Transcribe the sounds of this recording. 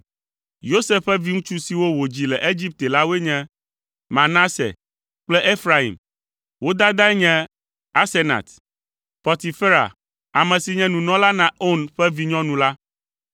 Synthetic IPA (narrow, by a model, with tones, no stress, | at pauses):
jo˦se˦fɸɛ˦vi˦ŋũ˦t͡ʃu˦si˨wo˦wo˨d͡ʑi˨lɛ˨ʔe˦d͡ʑi˦p̚t̪e˨la˦wo˦e˦ɲɛ̃˦ | mã˨nã˦sḛ˨ | k͡plɛ˦ʔe˦fɾa˦ḭ˨m | wo˦d̪a˦d̪a˦ɛ˦ɲɛ̃˦ | a˦se˦na̰˨t̪ | pɔ˨t̪i˨fe˦ɾa̰˨ | a˨mɛ̃˨si˨ɲɛ̃˦nũ˨nɔ̃˦la˦nã˨o˦nɸɛ˦vi˦ɲɔ̃˦nũ˨la˦